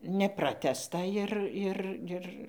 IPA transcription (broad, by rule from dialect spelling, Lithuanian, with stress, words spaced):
nʲɛˈprɑːtʲæːstɐ ɪr ˈɪr ˈɪr